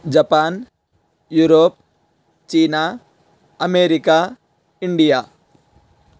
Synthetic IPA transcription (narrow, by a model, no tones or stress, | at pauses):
d͡ʒɐpaːn | juːɾoːp̚ | t͡ʃiːna | ɐmeːɾika | ɪɳɖijaː